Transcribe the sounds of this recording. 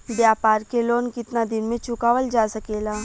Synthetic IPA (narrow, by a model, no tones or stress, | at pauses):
bjaːpaːɾkeloːnkɪt̪nad̪ɪnmẽt͡ʃʊkaːʋəld͡ʒaːsɐkeːlaː